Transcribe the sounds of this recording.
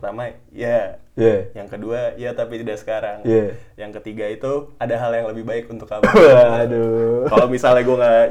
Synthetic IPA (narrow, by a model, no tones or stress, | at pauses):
ət̪amajajajaŋkəduajat̪apit̪idasə̥kaɾaŋjajaŋkət̪iɡait̪uadaɦaljaŋləbɪhbaɪkunt̪ʊkamadukalomisalɲaɡueŋɡa